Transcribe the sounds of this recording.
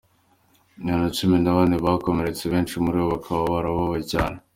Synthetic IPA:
ɲanat͡ʃuminaβaːniβako̞me̞ɾe̞t͡seβeːnt͡ʃimuɾiwoβakʰaβaβaɾaβaβaɟaːɾa

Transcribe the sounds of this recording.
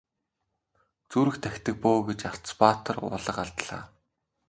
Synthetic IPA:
t͡suːɾɘ̆xt̪ʰæxʲt̪ʰɘ̆k̚poːɡet͡ɕaɬt͡spaːt̪ʰə̆rʊ̰ɮə̆qaɮt̪ɮ̥a̰ː

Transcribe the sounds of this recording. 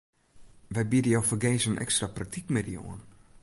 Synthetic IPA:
ʋɛjbidəjowfərɡeːsənʔɛ̰kstraprak̚tikmɪdio̰ən

